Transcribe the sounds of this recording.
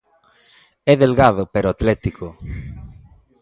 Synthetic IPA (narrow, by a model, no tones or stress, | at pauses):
ɛðelɣaðopeɾoat̪lɛt̪iko